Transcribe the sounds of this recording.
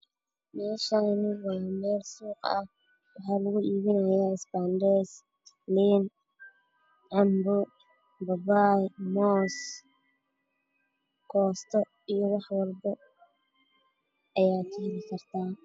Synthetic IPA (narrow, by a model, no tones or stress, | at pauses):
mɛːʃaːnʊwɑːmɛːlsuːqɐ̰h | wɑħɑːlɐɣʊʔiːβɪnɐjaːɪsband̪ɛːs | liːn | ʕɑmbʊ | bɐbaːjmɔːs | kʰɔːst̪ʰɔ | ijɔwɑħwɑlbɐ | ʔɐjaːkʰɐhɪlɪkʰɐrt̪ʰaː